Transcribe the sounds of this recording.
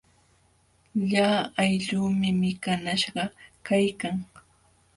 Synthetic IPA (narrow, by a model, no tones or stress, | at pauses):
ʎaːajʎuːmɪmɪkanaʃɢɑkajkaŋ